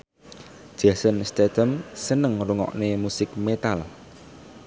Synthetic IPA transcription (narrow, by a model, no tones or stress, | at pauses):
ʒ̥asənst̪et̪əmsənəŋruŋɔ̰ʔnemusɪk̚met̪al